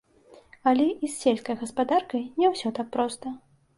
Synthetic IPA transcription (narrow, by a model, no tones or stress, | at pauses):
ɐlʲɛʔisːʲelʲskɐjɣɐspad̪arkɐjnʲɛwsʲɔt̪ak̚pɾɔst̪ɐ